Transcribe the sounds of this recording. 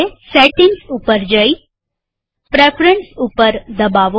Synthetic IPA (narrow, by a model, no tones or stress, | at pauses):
eseʈɪŋɡsupəɾd͡ʒəi | pɾepʰɾəɳsupəɾd̪əbaʋo